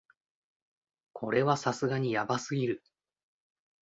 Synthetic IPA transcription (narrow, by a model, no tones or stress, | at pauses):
kʰo̞ɾe̞βasasɨɡaɲ̟ijabasɨɡʲiɾɯ̟